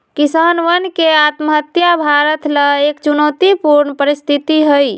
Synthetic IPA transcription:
kisanʋənkeat̪məɦət̪jabʱaɾət̪ləekt͡ʃunɔt̪ipuɾɳpəɾist̪ʰit̪iɦəj

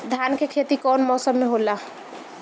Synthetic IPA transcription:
d̪ʱjaːnkekʰet̪ikɔːnmɔːsəmːeɦola

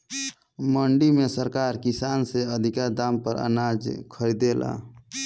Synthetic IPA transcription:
məɳɖimẽsəɾkaːɾkisaːnseəd̪ʱikad̪ampəɾə̰nad͡ʒkʰəɾid̪ela̰

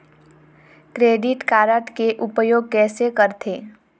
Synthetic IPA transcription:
kɾeːɖɪʈkaːɾəʈkeʔʊpəjoːɡ̚kɛːsekəɾt̪ʰeː

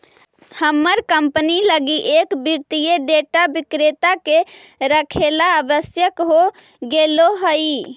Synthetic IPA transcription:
həmːəɾkəmpniləɡiʔekbiɾt̪ijeɖeʈabikɾet̪ake | ɾəkʰelaəbəsjəkɦo | ɡeloɦəj

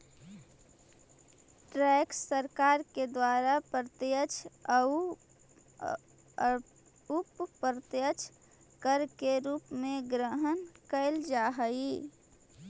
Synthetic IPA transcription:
ʈɾɛːkssəɾkaːɾked̪waːɾapɾət̪jət͡ʃʰ | upɾət̪jət͡ʃʰ | kəɾkeɾuːpmẽɡɾəɦənkəɪld͡ʒaɦəi

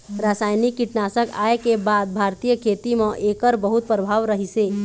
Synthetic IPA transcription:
ɾasaːjnikːiʈnaːsəka̰ːekebad̪̚bʱaɾt̪ijəkʰeːt̪imə̃ʔekəɾbəɦut̪̚pɾəbʱaʋɾəɦise

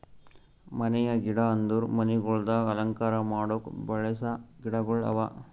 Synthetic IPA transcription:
mɐnɛjɐɡiɽɐɐnd̪uɾmɐniɡɔɭd̪ɐɐlɐŋkaːɾɐmaːɽokbɐɭɐsɐɡiɽɐɡɔɭɐ̰ʋa

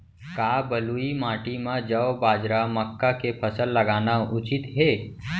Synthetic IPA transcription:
kaːbəluimaːʈimãd͡ʒəʋbaːd͡ʒɾaməkːakepʰɐsəlːɐɡaːnaʊt͡ʃɪt̪ɦeː

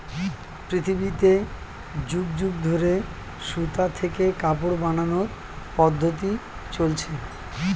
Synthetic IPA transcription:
pɾit̪ʰibit̪e | d͡ʑuɡd͡ʑuɡd̪ʱoɾe | ʃut̪at̪ʰekekapoɽbananoɾ | pɔd̪ʱːot̪i | t͡ɕolt͡ɕʰe

